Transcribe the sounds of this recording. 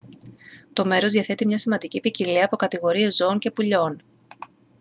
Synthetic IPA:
t̪o̞me̞ɾo̞zðiɐθe̞t̪imɲɐsimɐnd̪icipiciliɐpo̞kɐt̪iɣo̞ɾie̞zo̞oɲce̞puʎo̞n

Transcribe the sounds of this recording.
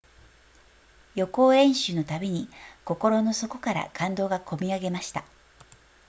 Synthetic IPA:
jo̞ko̞ːẽ̞ɰ̃ɕɨno̞t̪abʲe̞ɲ̟iko̞ko̞ɾo̞no̞so̞ko̞kaɾa̰kʰãnd̪o̞ːɡakʰo̞mʲiaɡe̞maɕi̥t̪a

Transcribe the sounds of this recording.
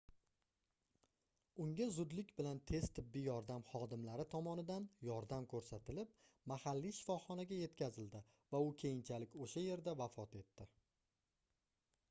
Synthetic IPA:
ʊŋɡʲazʊd̪lɪkʲbɪlant̪ʰe̞z̥t̪ʰɪbːijɒɾd̪amχɒd̪ɪmlaɾɪt̪ʰɒmɒnɪd̪anjɒɾd̪amkʰɵɾsat̪ɪlɪp̚ | mahalːiʃɪ̥fɒχɒnaɡʲaje̞t̪kʲʰazɪld̪ɪ | vaʊkʲʰe̞jɪnt͡ʃʰalɪkʲoʃaje̞ɾd̪avafɒt̪e̞t̪ːɪ

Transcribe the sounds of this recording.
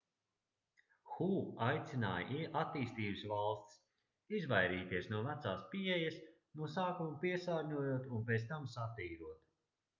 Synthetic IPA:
xuːajt̪sʲina̰ːj̰ʔiʔat̪iːst̪iːbsvalˠst̪s | izvajɾiːt̪iɛsnuɔvæt̪saːspiejas | nuɔsaːkumupiɛsaːɾɲuɔjuɔt̪unp̬eːt̪st̪amsat̪iːɾuɔt̪

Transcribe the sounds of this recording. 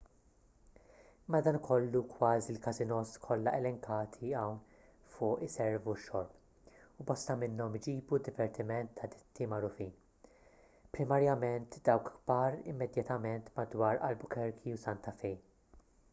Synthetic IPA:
ɪmːɐd̪ɐːnkʰɔlːukwɐːzilkɐzɪnɔskʰɔlːɐʔɛlɛŋkʰɐːt̪ʰiɐwn | fʊːʔɪsɛɾvuʃːɔɾp | ubɔst̪ɐmɪnːɔmɪd͡ʒiːbud̪ːɪvɛɾt̪ɪmɛnt̪ʰːɐd̪ɪt̪ʰːimɐɾʊfiːn | pɾɪmɐɾjɐmɛnt̪d̪ɐwkɡbɐːɾɪmːɛd̪jɐt̪ɐmɛnt̪mɐd̪wɐːɾɐ̰lbʊkɛɾkʰiusɐnt̪ɐfɛjn

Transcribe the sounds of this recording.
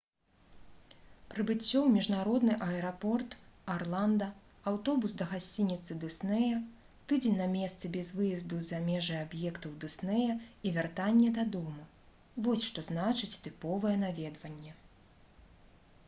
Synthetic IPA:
pɾɨbɨt͡sʲːɔwmʲiʐnaɾɔd̪nɨʔɐɛɾapɔrt̪arlˠand̪ɐ | awt̪ɔbusd̪ɐɣasʲt͡sʲinʲit̪sɨd̪ɨsnɛjɐ | t̪ɨd͡zʲɛnʲnːɐmʲɛst̪sɨbʲɛzvɨjɐzd̪uzamʲɛʐɐjabjɛkt̪ɐwd̪ɨsnɛjɐivʲɛrt̪anʲːɛd̪ɐd̪ɔmu | vɔsʲʂt̪ɔznat͡ʂɨt͡sʲt̪ɨpɔvɨjɛnavʲɛd̪vɐnʲːɛ

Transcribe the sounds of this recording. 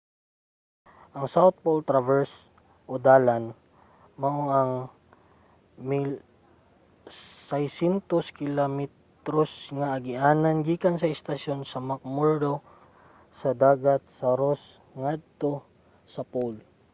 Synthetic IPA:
ʔɐŋsawt̪̚polt̪ɾavɛɹs | ʔod̪aːlan | mɐʔoʔɐŋ | mil | sɐjsɛnt̪oskɪlamɛt̪ɾosŋɐʔɐɡɪʔaːnɐnɡiːkɐnsɐɪst̪ɐsjonsɐmɐk̚muɹd̪o | sɐd̪aːɡɐt̪̚sɐɾos | ŋad̪̚t̪o̞ | sɐpol

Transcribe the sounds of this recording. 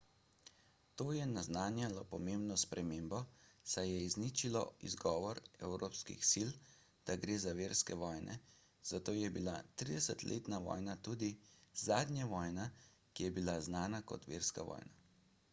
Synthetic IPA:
t̪oːjɛnaznaːnjalɔpɔmeːmbnɔspɾʔɛmeːmbɔsajɛiznit͡ʃilɔ̰ḭzɡɔːʋɔɾɛwɾoːpskḭxsil | d̪̥aɡɾeːzaʋeːɾskɛʋɔːjnʔɛ̰ | z̥at̪oːjɛbilat̪ɾid̪ɛsət̪lʔḛːt̪naʋɔ̰ːjnat̪uːd̪izaːd̪nʲjaʋɔːjna | kijɛbilaznaːnakɔ̰t̪ʋeːɾska̰ʋɔ̰ːjna

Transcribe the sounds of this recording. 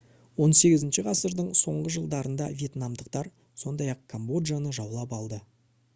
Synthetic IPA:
wo̞nse̞ɡʲɪzɪnʃɪʁɑsəɾd̪əɴso̞ɴʁəʒəlˠd̪ɑɾənd̪ɑ̰vʲje̞t̪nɑmd̪əqt̪ɑɾ | so̞nd̪ɑjɑq̚kʰombo̞d̪ʒanəʒɑwlˠɑpɑlˠd̪ə

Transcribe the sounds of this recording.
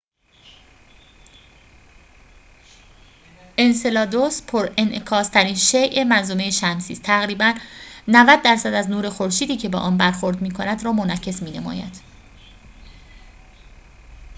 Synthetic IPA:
ʔe̞nse̞lɒːd̪ospʰoɾenʔekʰɒːst̪ʰæɾiːnʃejʔemænzomejeʃæmsḭːst̪ʰæɣɾiːbænːævæd̪̚ːæɾsæd̪æznuːɾe̞xoɾʃiːd̪iːcʰe̞bḛʔɒːnbæɾxo̞ɾd̪miːkʰonæd̪ɾɒːmo̞næcʰːe̞smiːne̞mɒ̰ːjæ̰d̪̥

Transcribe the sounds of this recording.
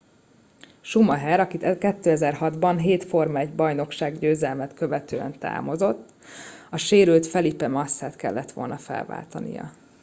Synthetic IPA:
ʃumɒɦɛɾɒkit̪ɛkɛt̪ːøːɛzɛrhɒd̪bɒnɦeːt̪fo̞rmɛɟbɒjno̞kʃaːɡɟøːzɛlmɛt̪køvɛt̪øːɛ̰nt̪a̰ːmo̞zo̞t̪ː | ɒʃeːɾylt̪fɛlipɛmɒsːaːt̪kɛ̰lːɛt̪ʋo̞̰lnɒfɛ̰lva̰ːlt̪ɒ̰nḭjɒ̰

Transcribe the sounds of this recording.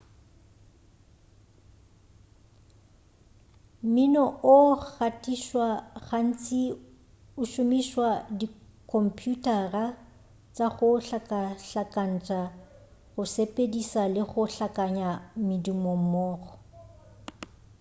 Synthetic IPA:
mɪnɔʔʊk͡xatʼiʃwaɣan̩t͡sʼi | ʊʃʊmiʃwadikʰɔm̩pʰʼjutʼara | t͡sʼaɣʊɬakaɬakʼan̩t͡ʃʼa | ɣʊsepʼedisalɪɣʊɬakʼaɲamɪdimom̩mɔːɣɔ

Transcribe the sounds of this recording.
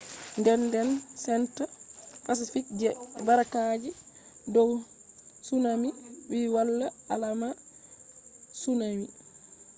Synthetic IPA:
ndɛndɛnsɛntapas̬ifik̚d͡ʒɛbaɾakad͡ʒi | dɔwsunamiwiwalːaalama | sunami

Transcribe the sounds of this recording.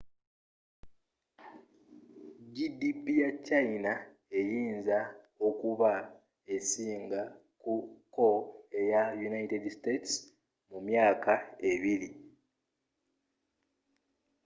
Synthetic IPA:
ɟidipijat͡ʃːajina | e̞jiːnza | o̞kuβa | e̞siːŋɡa | kuko̞e̞jajunajitedstets | mumjaːkae̞βiɾi

